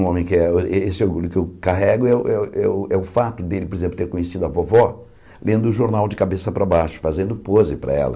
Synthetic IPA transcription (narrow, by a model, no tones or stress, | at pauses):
õmẽj̃kɪɛeesɪoɾɡuʎjʊkɪewkaɦɛɡʊɛʊʔɛʔɛʊɛʊfat̪ʊd̪elɪpoɾezẽplʊt̪eɾkõɲesid̪ʊavɔvɔ | lẽnd̪ʊːʒoɾnawd͡ʒɪkabesɐpɾɐbaʃʊ̥fazẽnd̪ʊpozɪpɾɐ̰ɛ̰lɐ̰